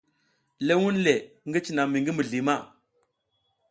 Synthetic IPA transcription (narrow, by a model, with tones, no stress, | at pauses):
le˦wu˦nle˨ŋɡi˦t͡ʃi˨na˨mi˨ŋɡi˦mə˨ɮi˨ma˦˨